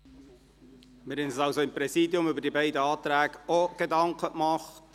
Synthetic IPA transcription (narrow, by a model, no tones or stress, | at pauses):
mɪɾɛnsəsɑʊsoɪmpɾɛsiːdjʊmʏbəɾd̥ibæɪdəɑːtɾæːɡoɡ̥edɑŋkʰəkmɑχt